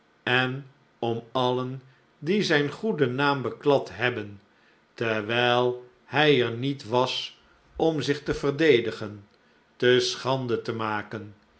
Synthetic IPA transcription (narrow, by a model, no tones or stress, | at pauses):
ɛn | ɔmɑlən | dizɛjnχudənaːmbəklɑtɦɛbən | tɛɹʋɛjlˠ | hɛjɛɹnitʋɑs | ɔmzɪχtəvərdejdəχən | təsχɑndətəmaːkən